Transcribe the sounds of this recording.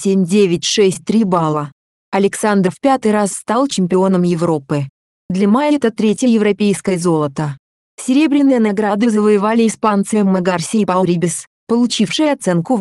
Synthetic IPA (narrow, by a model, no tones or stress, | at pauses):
sʲemʲdʲevʲɪt̚ʲʂɛsʲt̚ʲt̪ɾʲibalˠə | ɐlʲɪksand̪ɾəfpʲat̪ɨjɾasːt̪alˠt͡ɕɪmʲpʲɪo̞nəmjɪvɾo̞pɨ | d̪lʲɪmajət̪ət̪ɾʲetʲjəjɪvɾɐpʲejskəjəzo̞lˠət̪ə | fsʲɪɾʲe̞bɾʲɪnɨjənaɡɾad̪ɨzəvəjɪvalʲɪɪspant̪sɨjəmːəɡarsʲɪpalˠɾʲibʲɪs | pəlˠʊt͡ɕifʂɨjəɐt̪sɛnkʊ